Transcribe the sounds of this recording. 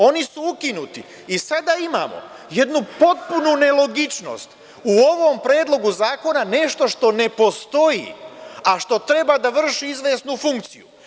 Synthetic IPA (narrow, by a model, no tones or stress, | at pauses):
o̞nisuukinut̪iː | sad̪aima̰ːmo̞̰je̞d̪nupo̞t̪̚punune̞lˠo̞ɡit͡ʃno̞̰ːst̪ | uo̞ʋo̞mpɾe̞ːd̪lˠo̞ɡuzaːko̞nane̞ʃt̪o̞ʃt̪o̞ne̞po̞st̪o̞jḭaʃt̪o̞t̪ɾe̞bad̪aʋr̩ʃiizʋe̞ːsnufuŋk̚t̪sḭjṵ